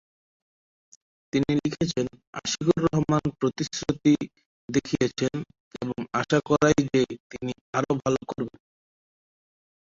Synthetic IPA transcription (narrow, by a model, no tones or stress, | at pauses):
t̪inilikʰet͡ɕʰena̰ʃikuɾːɔɦomanpɾot̪isɾot̪i | d̪ekʰijet͡ɕʰen | ḛboŋaʃakɔɾajd͡ʑet̪ini | aɾobʱalokoɾben